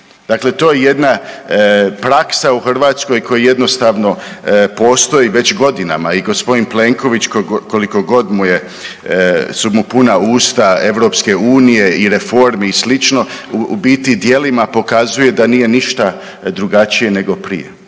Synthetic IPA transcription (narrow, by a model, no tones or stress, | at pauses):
d̪̥akle̞t̪o̞ːjeje̞d̪na | pɾaksauxr̩ʋaːt̪sko̞jkʰo̞jaje̞d̪no̞st̪aʋno̞po̞ːst̪o̞iʋe̞t͡ɕɡo̞d̪ina̰maiɡo̞spo̞d̪inple̞ŋko̞ʋit͡ɕkoko̞liko̞ɡo̞d̪muje̞ | sumupunauːst̪ae̞ʋɾo̞ːpske̞uːnije̞iɾefo̞ɾmiislit͡ʃno̞ṵbiːt̪id̪je̞limapo̞kazuje̞d̪aniːje̞niʃt̪a | d̪ɾuɡat͡ʃije̞ne̞ɡo̞pɾḭjḛ